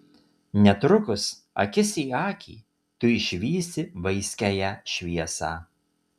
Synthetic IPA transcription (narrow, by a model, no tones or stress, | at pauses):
nʲɛt̪ɾʊkʊs | ɐ̰kʲɪsʲiːɑːkʲʰḭː | t̪ʊɪʃʲʋʲiːsʲt̪ʲɪʋɐɪsʲkʲæjæʃʲʋʲiɛsɑː